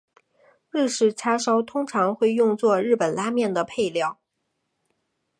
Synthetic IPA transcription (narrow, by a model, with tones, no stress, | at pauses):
ɻ̩˥˧ʂɻ̩˥˩t͡sʰa˥ʂɑ˥ʊt̪ʰʊ˥ŋʈ͡ʂʰɑ˧˥ŋxwe˥˧ɪjʊ˥˧ŋt͡swɔ˥˧ɻɻ̩˥˩pə˨˩nla˥mjɛ˥˩nd̪ə˩pʰe˥˧ɪljɑ˥˩ʊ